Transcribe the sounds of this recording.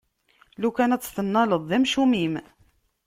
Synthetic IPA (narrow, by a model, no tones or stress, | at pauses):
lukænæt͡sːθənːɑləðˤːæmʃumim